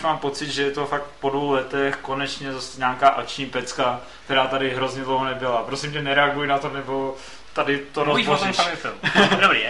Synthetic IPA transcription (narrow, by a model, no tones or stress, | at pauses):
maːmpo̞t͡sɪd̪ʒɛjɛt̪o̞fak̚t̪po̞dvowlɛt̪ɛxko̞nɛt͡ʃɲɛzasɛɲaːkaːʔak̚t͡ʃɲiːpɛt͡skak̚t̪ɛɾaːt̪adɪɦɾo̞zɲɛdlowɦonɛbɪlapɾosɪmɲɛnɛɾɛaɡujɪnat̪onɛbo̞ | t̪adɪt̪oɾopozɛt̪ɛdobɾḭ